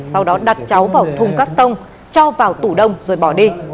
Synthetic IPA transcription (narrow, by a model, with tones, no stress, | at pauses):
sa˧wɗɔ˨˦ɗa˨˩t̚t͡ɕa˨˦wvaː˨˩wt̪ʰʊ˨˩ŋ͡mkaː˦˥k̚t̪ə˧wŋ͡m | t͡ɕɔ˧vaː˨˩wt̪u˧˩ɗə˧wŋ͡mzo˨˩jɓɔ˧˩ɗi˧